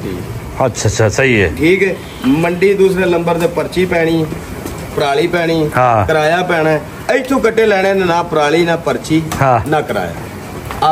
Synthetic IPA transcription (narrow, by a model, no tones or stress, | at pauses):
ʈʰḭː | ətːʃʰaːt͡ʃʃʰaːsəɦiːɛ̰ːʈʰiːkɛː | məɳɖiːd̪uːsɾeːləmbəɾt̪eːpəɾt͡ʃiːpɛːɽ̃iː | pəɾaːliːpɛːɽ̃iːɦãːkəɾaːjaːpɛːɽ̃ɛː | əɪt̪ʰːõːkəʈːeːlɛːɽ̃eːneːnãːpəɾaːliːnãːpəɾt͡ʃiːhãːnãːkəɾa̰ːja̰ː